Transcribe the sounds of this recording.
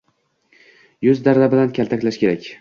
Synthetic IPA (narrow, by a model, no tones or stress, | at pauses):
jʊzd̪aɾd̪abɪlankʲʰalˠt̪ʰakʲlaʃkʲʰe̞ɾakʲ